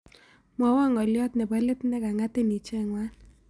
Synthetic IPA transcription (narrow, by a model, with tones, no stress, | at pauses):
mwa˨˦wa˦˨ŋɔ˨ljɔ˦t̪nɛ˨ba˦le˦t̪nɛ˦ka˨ŋa˦te˦ni˨t͡ʃɛ˦˨ŋwa˦